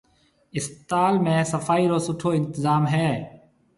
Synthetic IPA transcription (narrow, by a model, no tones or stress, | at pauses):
ɪst̪aːlmẽːsəfaːiːɾoːsʊʈʰoːɪnt̪əzaːmɦɛː